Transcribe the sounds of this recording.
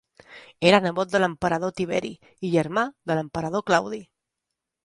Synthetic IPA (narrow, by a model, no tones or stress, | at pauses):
eɾanəβot̪̚d̪ələmpəɾəðot̪iβɛɾḭ | iʎəɾmaðələmpəɾəðoklawði